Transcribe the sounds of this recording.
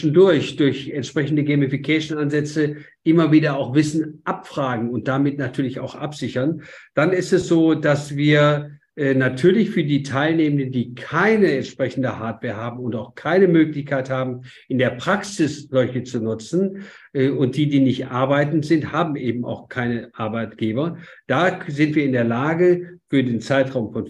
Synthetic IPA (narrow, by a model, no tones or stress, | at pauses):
ʃn̩dʊɐçd̥ʊɐçɛntʃpʁ̥ɛçn̩dəɡɛːmifikʰɛːʃn̩anzɛt͡səʔɪmɐviːdɐaʊxv̥ɪsn̩ʔapfʁ̥aːɡŋ̩ʊnt̚d̥amɪtnatʰyːɐlɪça̰ʊxʔa̰pz̥ɪçɐnd̥anɪstɛsz̥oːdasv̥iːɐ | ʔːnatʰyːɐlɪçfyːɐdiːtʰaɪlneːməndəndiːkʰaɪnəɛntʃpʁ̥ɛçn̩dəhaɐtv̥ɛːɐɦaːbm̩ʊntaʊxkʰaɪnəmøːklɪçkʰaɪthaːbm̩ | ʔɪndeːɐpʁ̥aksɪszɔlçət͡sunʊt͡sn̩ | ʔɛʊnt̚d̥iːdiːnɪçtʔaɐbaɪtn̩tz̥ɪnthaːbm̩ʔeːbm̩a̰ʊxkʰaɪnəʔaɐbaɪtɡ̥eːbɐ | d̥aːzɪntv̥iːɐɪndeːɐlaːɡəfyːɐdeːnt͡saɪtʁ̥aʊmfɔn